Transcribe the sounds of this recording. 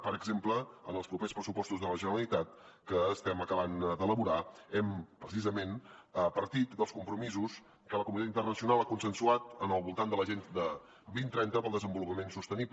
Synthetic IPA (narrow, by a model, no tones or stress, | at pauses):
pəɾəɡzempləənəlˠspɾupespɾəsupɔst̪uzðələʒənəɾəlit̪at̪̚ | kəːst̪ɛməkəβand̪ələβuɾaɛmpɾəsizəmenəpəɾt̪it̪d̪əlˠskumpɾumizus | kələkumunit̪aint̪ərnəsiunalˠakunsənsuat̪ənəlˠβulˠt̪and̪ələʒend̪ə | βint̪ɾɛnt̪əpəlˠðəzəmbulupəmensust̪ənipl